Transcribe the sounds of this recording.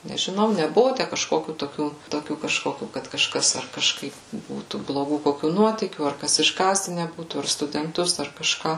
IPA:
nʲɛʒʲɪˈnɐʊ nʲɛˈbʊʋʊ ˈtʲæ kɐʃˈkoːkʲuː toːˈkʲuː toːˈkʲuː kɐʃˈkoːkʲuː kɐt kɐʃˈkɐs ɐr kɐʃˈkɐɪp ˈbuːtuː blˠoːˈɡuː koːˈkʲuː ˈnuɔtʲiːkʲuː ɐr ˈkɐs ɪʒˈɡɑːzʲdʲɪnʲɛ ˈbuːtuː ɐr stʊdʲɛnˈtʊs ɐr kɐʃˈkɑː

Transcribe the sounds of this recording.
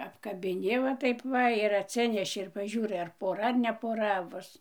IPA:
ɐpkɐbʲɪˈnʲɪ ʋɐ ˈtɐɪp ˈʋɐ ɪr ɐtʲˈsʲɪnʲɛʃʲɪ ɪr pɐˈʒʲuːrɐɪ ɐr poːˈrɐ ɐr nʲɛ poːˈrɐ ˈbʊs

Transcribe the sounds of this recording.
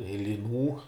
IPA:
ɪ lʲɪˈnuː

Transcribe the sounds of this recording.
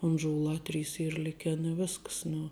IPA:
ʊnʒʊˈlˠɑː ˈtʲrʲiːs ˈiːr ˈlʲɪkʲɛn ɪ ˈʋʲɪsks nʊ

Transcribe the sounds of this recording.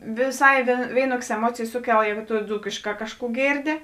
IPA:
ʋʲɪˈsɐɪ ˈʋʲeːɪnuɔkʲeːs ɛˈmuɔt͡sʲeːjeːs ˈsʊˌkʲɛlˠ ˈjɛːɡʊ tʊ ˈd͡zuːkʲeːʃˌkɑː ˈkɑːʃˌkuː ˈɡʲeːrʲˌdʲɪ

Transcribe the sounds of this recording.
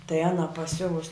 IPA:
tɐɪ ˈɑːnɐ pɐˈsʲʊʋʊs

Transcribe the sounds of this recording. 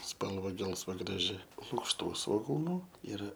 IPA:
ˈspɐlˠʋɐ ˈɡʲɛlˠsʋɐ ɡrɐˈʒʲɪ lˠʊkʃˈtuː sʋoːˈɡuːnʊ ˈɪr

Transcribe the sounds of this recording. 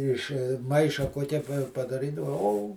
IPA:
ɪʃ ˈmɐɪʃɐ kuɔˈkʲɛ pɐdɐˈrʲiːdɐʋoː oː

